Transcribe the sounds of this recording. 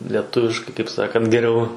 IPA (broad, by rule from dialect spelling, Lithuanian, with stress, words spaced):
lʲiɛˈtʊʋʲɪʃkɐɪ kɐɪp ˈsɑːkɐnt ɡʲɛˈrʲɛʊ